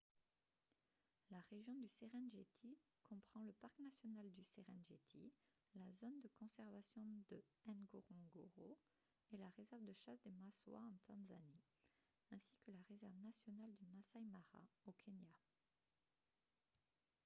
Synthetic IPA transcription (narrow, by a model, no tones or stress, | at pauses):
laʁeʒjɔ̃d̪yseʁɛ̃nʒet̪ʰi | kʰɔ̃pχɑ̃ləpaʁ̥knasjɔnald̪yseʁɛ̃nʒḛt̪ʰḭ | lazond̪əkɔ̃sɛʁvasjɔ̃d̪əɛ̃nɡoʁɔ̃ɡoʁo | elaʁezɛʁvd̪əʃasd̪emaswa̰ɑ̃t̪ɑ̃zani | ɛ̃sikəlaʁezɛʁvnasjɔnald̪ymasajmaʁa̰okʰenja